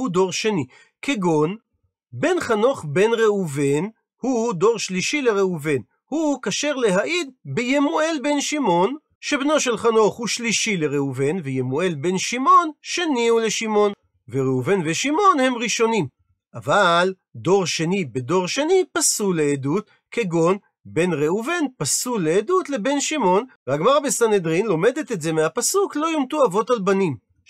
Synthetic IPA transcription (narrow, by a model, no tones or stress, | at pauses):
udo̞ʁʃe̞ni | keɡo̞n | be̞nχano̞χbe̞nʁeuven | hud̪o̞ʁʃliʃileʁeuve̞n | hukaʃe̞ʁle̞ɦaʔid̪̚bejemue̞lbe̞nʃimo̞n | ʃebno̞ʃe̞lχano̞χhuʃliʃileʁeuve̞nvejemue̞lbe̞nʃimo̞nʃeniule̞ʃimo̞n | veʁeuve̞nveʃimo̞nhe̞mʁiʃo̞nim | ʔaval | d̪o̞ʁʃe̞nibedo̞ʁʃe̞nipasuleːdut̪̚ | keɡo̞n | be̞nʁeuve̞npasuleːdut̪le̞be̞nʃimo̞nveaɡmaʁabesanedʁinlome̞d̪et̪e̞tze̞mehapasuklo̞jomt̪uavo̞talbanim